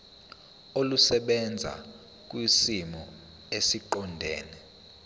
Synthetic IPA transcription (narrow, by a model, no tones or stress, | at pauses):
olusɛɓɛnd͡zʱa̰ | k̬ʼwisimɔ | esiǃɔndʱɛ̰ːnɛ